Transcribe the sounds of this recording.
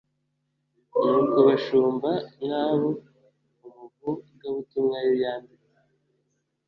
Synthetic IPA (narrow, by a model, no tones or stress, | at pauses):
nukuβaʃuːmbanaːβo | umuɡub̚ɡaβutumŋajejaːndi | e